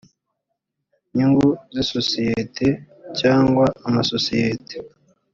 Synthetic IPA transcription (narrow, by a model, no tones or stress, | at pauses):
ɲuŋɡuzisosijetʰe | caːŋɡwaːmasosijete̥